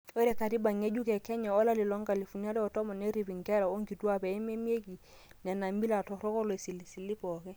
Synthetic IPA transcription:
ɔ˦ɾɛ˨ka˨ti˦ba˨ŋe˦d͡ʒu˦kɛ˨kɛ˦ɲa˨ɔ˦la˦lɪ˨lɔ˦ŋka˨li˨fu˨ni˦a˦ɾɛ˦ɔ˨tɔ˦mɔ˨nɛ˦ɾi˨pi˨ŋkɛ˦ɾa˨o˦ŋɡi˨tu˦a˦pɛ˨ɛ˦me˦mi˦e˦ki˨ | nɛ˨na˨mbi˦la˨tɔ˨ɾɔ˦kɔ˦lɔ˨si˨li˨si˨li˦pɔ˨kɛ˦

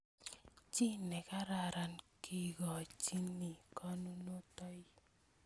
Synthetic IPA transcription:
t͡ʃi˦nɛ˨ka˦ɾa˨ɾa˨nki˦ɡɔ˨t͡ʃi˦ni˨kɔ˦nu˦no˦tɔ˦j

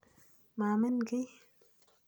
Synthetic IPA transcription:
maː˨mə˦nɡə˦j

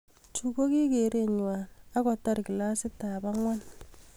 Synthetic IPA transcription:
t͡ʃu˨ko˦ki˦ke˨ɾe˦ɲwa˨na˦kɔ˨ta˦rki˨la˦sɪ˦ta˨ba˦ŋwa˦n

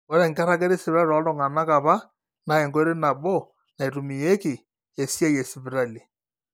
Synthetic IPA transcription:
o˦ɾɛ˨ŋɡa˦ɾa˦ke˦ɾe˦sɪ˨bɾa˦ɾɔ˨˦dɔ˦˨ŋa˨na˦ka˨βa˦ | na˨e˨ŋɡɔ˦e˦ɾe˦na˨bo˦ | na˨i˨ɾu˨mi˨je˦kɪ˨ | e˨sja˦je˨sɪ˨bɪ˨ɾa˦˨li˨

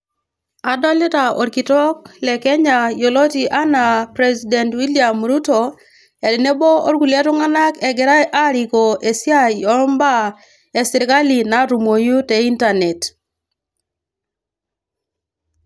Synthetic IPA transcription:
a˨dɔ˦lɛ˦ta˨ɔ˨ɾki˨tɔ˦k̚lɛ˨kɛ˦ɲa˨jo˨lo˦ti˨ʔa˦na˨pɾɛsidɛ˨ntwi˦lia˨mɾu˦to˨ | e˨dɪ˨ne˦bo˦o̰˦ɾɡu˨lja˦tu˦ŋa˦na˦kɛ˨ɡɛ˨ɾa˦ʔa˦ɾi˨ko˨e˨si˦a˦jɔ˦mba˦ | e˨si˨ɾka˦li˨na˨ɾu˨mo˨ju˦tɛ˨i˦ntane˨t

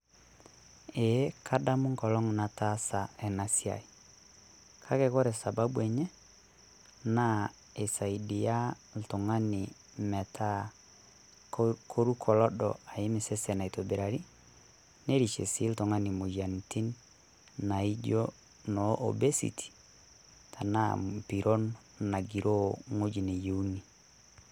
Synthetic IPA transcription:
e˨˦kʰa˦da˦mʊ˦ŋkɔ˨lɔ˦ŋna˨ta˦sa˨ɛ˨na˦si˦a̰˨i˨ | kʰa˦kɛ˨˦kɔ˦ɾɛ˨sa˨ba˦bwɛ˨ɲɛ˦ | na˦ | e˨sa˨i˨di˨ja˦ | ltʊ˨ŋa˦nɪ˨ | mɛ˨tʰa˦ | kʰo˦ɾu˦kʰɔ˨lɔ˦dɔ˨a˨ɪ˦mɪ˨sɛ˦sɛ˨na˨i˨to˨be˨ɾa˨ɾi˦ | ne˦ɾi˨ʃḛ˨sɪ˦ltɔ˨ŋa˦nɪ˨mo˨ja˨nti˦nː | a˨i˦d͡ʒo˦ | nɔ˨ʔo̰˨be˦sḭ˨tʰi̥˨ | tʰa˨na˦m˨pi˨ɾʔo˦n | na˨ɡi˨ɾʔo˦ŋo˦d͡ʒi˨ne˨je˨u˦ni˨

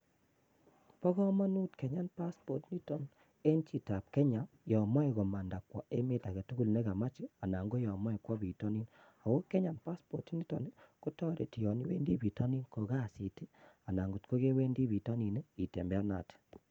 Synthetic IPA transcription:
pɔ˦ɣɔ˦ma˦nu˦tkɛ˨ɲa˦npa˦spɔ˨tni˦tɔ˦n | e˦nt͡ʃi˦ta˨p̚kɛ˦ɲa˨mjɔ˨ma˦i˨ɣo˨ma˨nda˨kwɔ˨e˦me˦ta˨ɡɛ˨tu˦ɡu˦lne˦ɡa˨ma˦t͡ʃi˦a˨na˨ŋɡo˦jɔ˨ma˦i˨kwɔ˦bi˨tɔ˦ni˦n | a˨wo˦kɛ˦ɲa˨npa˦spɔ˨tni˦tɔ̰˨nku˦tɔ˦ɾʔḛ˨ti˨jɔ˨ni˨˦wḛ˦ndi˦bi˨tɔ˦ni˦nko˨ɡa˦˨si˨ti˦a˨na˨ŋɡu˨tko˦ɡe˦we˦ndi˦bi˨tɔ˦ni˨ne˦i˨te˨mbɛ˦a˦na̰˨t

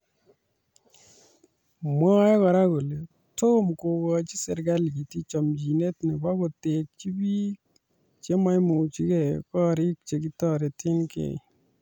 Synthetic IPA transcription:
mɔ˦jɛ˦kɔ˨ɾa˦ko˨le˨ | to˦mko˨ɡɔ˧t͡ʃi˦se˨ɾɡa˦lɡi˨ti˦t͡ʃɔ˨md͡ʒi˨ne˦tni˨ba˦ko˨te˨k̚t͡ʃi˦bi˦ | t͡ʃe˦ma˦jmo˨t͡ʃi˦kɛ˨kɔ˦ɾi˦k̚t͡ʃe˨ki˦tɔ˦˨ɾe˨ti˦nkḛ˨

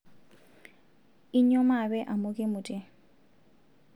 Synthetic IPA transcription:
i˦ɲɔ˦ma˨bɛ˦ʔa˨mʊ˦kʼɪ˦mʊ˨tʼɪ˦˨

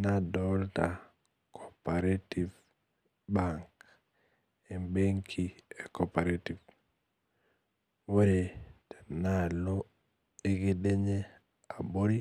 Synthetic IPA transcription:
na˦dɔlta˨ | kʰɔpa˨ɾe˦tiv | baŋk | e˨mbe˦ŋkʰi˨e˨kɔpa˨ɾeti˨v | wo˦ɾe˨tɛ̥˨na˦lo˦ | e˦ɡe˦de˦ɲe˦ | a˨bo˦ɾi˦

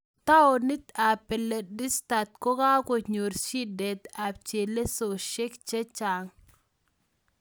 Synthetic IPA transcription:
t̪a˦o˨ni˦t̪a˨pːɛ˨le˨dɪ˦st̪a˨t̪̚ko˦ka˦ko˨ɲo˨ɾʃi˦dɛ˨t̪a˨p̚t͡ʃe˨le˦so˨ʃe˦kt͡ʃe˦t͡ʃa˨ŋ

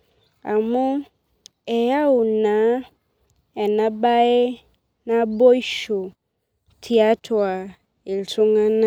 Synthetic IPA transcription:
a˨mʊ̃˦ | ɛ˨ja˦ʊ˨nã˨˦ | ɛ˨nã˦ba˦e˦ | nã˦bɔ˦i˦ʃo˨ | tʰi˨˦a˦tʰʊ˨a˨ | e˨ltʊ˦ŋã˦nã˦

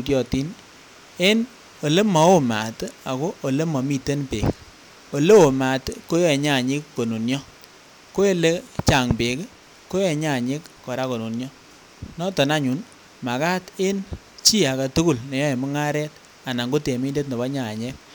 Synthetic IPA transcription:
ɾjɔ˨ti˦n | e˦n | o˨le˦mɔ˨˦o˦ma̰˨ta˨ko˦ʔo˨le˦mɔ˨mi˨te˦npḛ˨k | o˨le˦o˨ma˨tko˦jɛ˨ɲa˦˨ɲɪ˦kːo˨nu˨njɔ˦ | ko˦e˦le˦t͡ʃa˨ŋpe˨k | ko˦ɛ˨ɲa˦˨ɲe˦kːɔ˨ɾa˦ko˨nu˨njɔ˦ | nɔ˦tɔ˨na˦ɲu˨˦n | ma˨ka˦te˦n | t͡ʃi˦a˨ka˨tu˦ku˦˨lne˨jɔ˦e˨mɪ˦ŋa˦ɾɛ˦t̚ | a˨na˨ŋɡo˦te˨mi˦nde˦t̬ne˨ba˦ɲa˨ɲe˦k̚

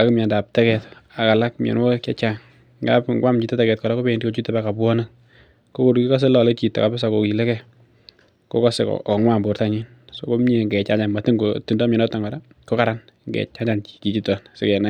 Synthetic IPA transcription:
a˨ku˦mja˨nda˨p̚tɛ˦kɛ˨ta˨ka˨la˦kmɛ̰˨nwɔ˦kɛ˦t͡ʃaŋ | ŋɡa̰˦pŋɡwa˦mt͡ʃi˨tɛ˦tɛ˦kɛ˨t̚kɔ˨ɾa˦ko˦pe˦˨ndi˦ko˦t͡ʃi˦tːɛ˦ba˦ka˨pwɔ˦na˦n | ko˦ko˦ɾu˨ki˦kɔ˦s̬e˦lɔ˨le˦t͡ʃi˨tːa̰˨ka˨pɪ˦sa˨ko˨ki˨lɛ˦kɛ˨ | ko˦kɔ˦se˨kɔ̰ɔ˨ŋwa˦mbo˨ɾta˦ɲi˦n | so˦ko˦mɲe˨ŋɡɛ˨t͡ʃa˦ɲt͡ʃa˨nma˨ti˦ŋɡo˨ti˨ndɔ˦mɛ˨nɔ˦tːa˨ŋɡɔ˨da˦ | ko˦ka˨ɾa˦n | ŋɡɛ̰˨t͡ʃa˦t͡ʃa˨nki̥˨ki˨t͡ʃi˦tɔ˨nsɪ˦kɛ˨na˦

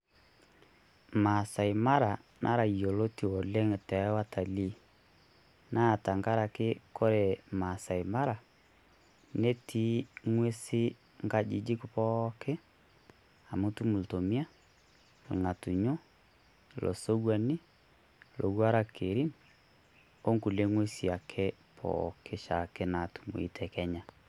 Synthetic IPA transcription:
ma˨sa˨i˨ma˦ɾa˨nʔa̰˦ɾa˨jo˨lo˦ti˨ɔ˨lɛ˦ŋ˨tɛ˨˦wa˦ta˨li˦ | na˦˨ta˨ŋɡa˦ɾa˨kɪ˦kɔ˦ɾɛ˨ma˨sa˨i˨ma˦ɾa˨ | ne˦tʰi˨˦ŋwe˦sɪ˦ | ŋɡa˦d͡ʒi˨d͡ʒi˦kʊ˦pɔ˦kɛ˦ | a˨mo˦tu˦mu˨lto˨mi˦a˦ | lŋa˨tu˨ɲo˦ | lʔɔ̰˨so˦ɡwa˨ni˦ | lʔo̰˨ɡwa˦ɾa˦kʰe˨ɾi˦n | o˦ŋku˨le˦ŋwe˦si˨a˨kʰɛ˦pʰɔ̰˨kʰe˦ʃa̰˨kɛ˦na˨tu̥˨mṵ˨ḭ˦tʰɛ˨kɛ˦ɲa˨

